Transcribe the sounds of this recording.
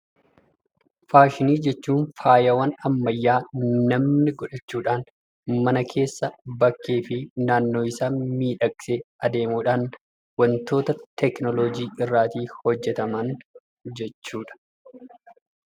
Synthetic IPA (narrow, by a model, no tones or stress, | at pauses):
faːʃɪniːd͡ʒɛt͡ʃːuːnfaːjɐwɐnɐmːɐjːaːnɐmnɪɡɔᶑɐt͡ʃːuːᶑaːn | mɐnɐkʰe̞ːsːɐbɐkːeːfɪnaːnːo̞ːɪsaːnmiːᶑɐkʼɪ̥seɐd̪e̞ːmuːᶑaːn | wɐnt̪o̞ːt̪ɐt̪ɛknɔlɔd͡ʒiːɪrːaːt̪iːhɔd͡ʒːɛt̪ɐmɐn | d͡ʒɛt͡ʃːuːᶑɐ̥